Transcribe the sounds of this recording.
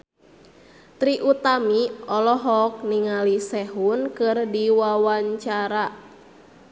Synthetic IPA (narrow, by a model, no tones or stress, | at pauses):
t̪ɾiʔut̪amiɔlɔɦɔk̚niŋalisɛɦunkɨrdiwawaɲt͡ʃaɾa